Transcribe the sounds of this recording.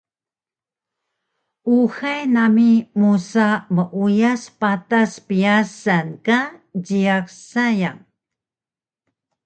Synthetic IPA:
ʔuxajnamimusaməʔujaspataspiasankad͡ʒiaksajaŋ

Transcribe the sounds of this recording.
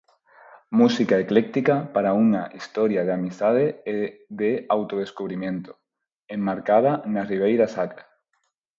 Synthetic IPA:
musikaeklek̚t̪ikapaɾaunaʔist̪oɾjað̞eamist̪að̞eeðeawt̪oð̞eskuβɾimjẽnt̪o | emːaɾkað̞anariβ̞ejɾasakɾe

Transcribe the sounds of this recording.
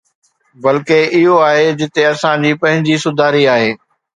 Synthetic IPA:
bɐlkeɪɦoaːɦed͡ʑɪt̪eɐsãd͡ʑiːpɐ̃ɦɪ̃ɲd͡ʑisʊd̪ʱaːɾiaːɦeː

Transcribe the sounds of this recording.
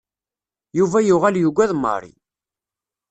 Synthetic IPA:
juvæjuʁæljuɡʷæðmːə̰ɾˤḭ

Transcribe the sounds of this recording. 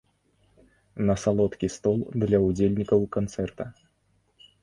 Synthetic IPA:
nɐsalˠɔt̪kʲist̪ɔlˠd̪lʲɐud͡zʲelʲnʲikɐwkant̪sɛrt̪ɐ

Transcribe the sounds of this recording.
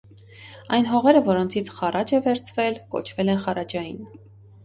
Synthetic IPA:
ɑjnɦɔʁɛɾəvɔɾɔnt͡sʰit͡sʰχɑrɑd͡ʒɛvɛɾt͡sʰvɛlkɔ̰t͡ʃʰvɛlɛnχɑɾɑd͡ʒɑjin

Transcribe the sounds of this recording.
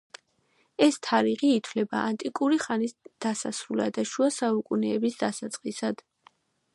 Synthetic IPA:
ɛst̪ʰaɾiʁiːt̪ʰwlɛbaʔant̪ʼikʼuɾiχanisd̪̥asasɾulad̪aʃuasaukʼunɛːbisd̪asat̪sʼqʼisad̪̥

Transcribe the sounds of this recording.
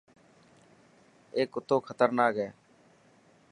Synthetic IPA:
eːkʊt̪ːoːkʰət̪əɾnaːkɛː

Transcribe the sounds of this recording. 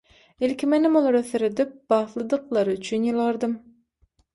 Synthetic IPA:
ilkʲimenɪmolˠɑɾøθeɾed̪ip̚b̥ɑθlˠɯd̪ɯqlˠɑɾyt͡ʃʰynjɯlˠɑɾd̪ɯm

